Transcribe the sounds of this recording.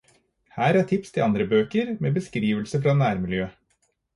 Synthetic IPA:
hæːɾæʈʰɪpst̪ʰɪlɑnd̪ɾəbøːkəɾmeːbəskɾiːʋəlsəfɾɑnæːɾmɪljøː

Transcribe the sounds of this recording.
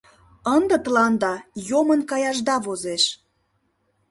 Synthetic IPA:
ənd̪ə̆t̪əlɑnd̪ɑjomənkɑjɑʒd̪ɑβozeʃ

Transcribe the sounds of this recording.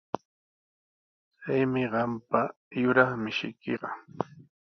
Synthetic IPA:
t͡sajmɪɢɑmpa | jʊɾɑχmɪʃɪ̰kʰiɢɑ

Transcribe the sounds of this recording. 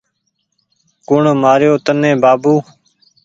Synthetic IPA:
kʊɳmaːɾjoːt̪ənẽːbaːbuː

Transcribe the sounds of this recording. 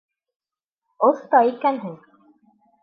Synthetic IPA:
ŏθt̪ɑikænɦɘŋ

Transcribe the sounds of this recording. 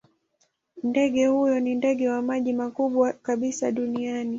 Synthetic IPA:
ndɛɠɛhujɔnindɛɠɛwamaʄimakuɓwakaɓisaɗuniani

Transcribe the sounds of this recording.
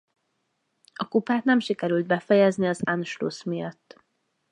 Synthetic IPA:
ɒkupaːt̪nɛmʃikɛɾyld̪̚bɛfɛjɛzniɒzanʃlo̰smijɒt̪ː

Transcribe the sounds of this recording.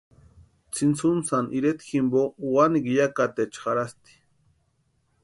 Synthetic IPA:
t͡sʰint͡sunsanʔiɾet̪ximbowaniɡijakat̪et͡ʃχaɾast̪i̥

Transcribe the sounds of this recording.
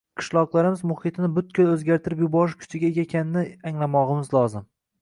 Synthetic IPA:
qʰɨ̥ʃlˠɒqlˠaɾɪmɪzmʊhɪt̪ʰɪnɪbʊt̪̚kʰʲʊlɵzɡʲaɾt̪ʰɪɾɪpjɪbɒɾɪʃkʲʰʊ̥t͡ʃ̪ʰɪɡʲaeɡʲakʲʰanɪnɪaŋlˠamɒʁɨmɪzlˠɒzɪm

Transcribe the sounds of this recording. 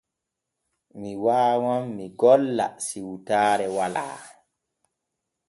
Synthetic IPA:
miwaːwamːiɡɔlːa̰siwtaːɾɛwala̰ː

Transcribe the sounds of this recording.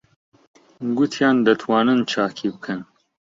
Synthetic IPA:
ɡut̪ʰjɑːnd̪ɐt̪ʰwɑːnɨnt͡ʃʰaːkʰibɨkʰɨn

